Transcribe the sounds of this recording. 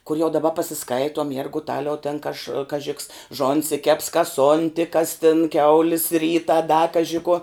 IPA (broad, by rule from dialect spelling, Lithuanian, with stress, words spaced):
kʊr jɛʊ dɐˈbɐ pɐsʲɪˈskɐɪtuɔm jɛrɡʊˈtɑːlʲɛʊ tʲɛn kɐʃ kɐˈʒʲɪ ks ˈʒoːnʲsʲɪ kʲɛps kɐs ˈoːnʲtʲɪ kɐs tʲɪn ˈkʲɛʊlʲɪs ˈrʲiːtɐ dɐ ˈkɑːʒʲɪ kuɔ